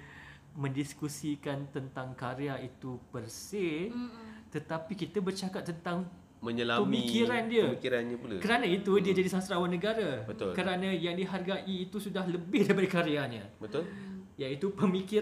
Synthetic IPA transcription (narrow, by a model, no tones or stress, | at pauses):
mə̃ndiskusikant̪ənt̪aŋkaɾeait̪upərse | t̪ət̪apikit̪abərt͡ʃakat̪̚t̪ːənt̪aŋ | məɲəlapəmĩkkiɾandiəmikiɾanɲapula̰kəɾanãit̪udiəd͡ʒadisasɾawanə̃ɡaɾabət̪olkəɾanãjaŋdiɦarɡaʔiːt̪usudahləbɪhdajipadəkaɾeaɲã | bət̪ʊl | jait̪upəmiki